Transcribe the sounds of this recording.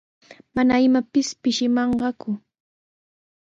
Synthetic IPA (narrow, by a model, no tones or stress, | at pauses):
manaɪmapɪspɪʃɪmɑɴɢɑkʊ